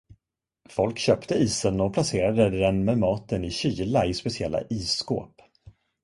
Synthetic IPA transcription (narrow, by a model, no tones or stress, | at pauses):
fɔlkɕœːpt̪əiːsənɔpʰlaseːɾad̪əd̪ɛnmɛmɑːt̪ənɪɕiːlaɪspɛsɪɛlːa̰ʔiːsːko̰ːp